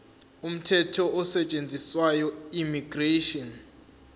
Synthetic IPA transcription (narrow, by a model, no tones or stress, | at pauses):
um̩tʰɛtʰɔɔsɛt͡ʃʼend͡zʱiswajɔimiɡ̥reʃɔn